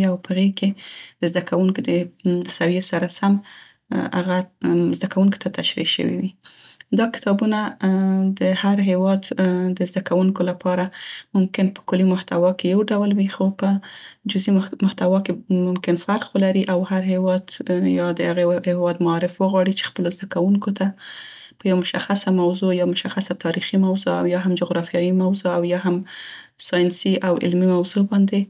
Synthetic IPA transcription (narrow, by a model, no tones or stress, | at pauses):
awpəɣeked̪̥əzd̪akʰawuŋkod̪əsawjesaɾasam | a̰ɣazd̪akawuŋki̥t̪at̪aʃɾiʃə̰wḭwid̪ɑkɪ̥t̪ɑbunad̪əhaɾɦewɑd̪d̪əzd̪akawuŋkolapɑɾamʊmkɪnpə̥kʊlimʊht̪awɑkejawɖawlwixopəd͡ʒʊzimʊht̪awɑkemʊmkɪnfaɾqwolaɾiʔawhaɾɦewɑd̪jɑd̪əhaɣehehwɑd̪maɑɾɪfwəɣwɑɽit͡ʃe̥xpəlozd̪akawuŋkot̪a | pəjawmʊʃaxasamawzojɑmʊʃaxasat̪ʰɑɾiximawzoa̰wjɑɦamd͡ʒʊɣɾɑfijɑjimawzoawjɑɦamsɑjɪnsiʔawɪ̰lmimawzobɑnd̪e